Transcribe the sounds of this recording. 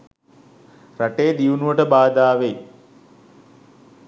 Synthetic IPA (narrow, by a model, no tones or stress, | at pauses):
rɐʈeːd̪iʋunuʋəʈəbaːd̪aːʋej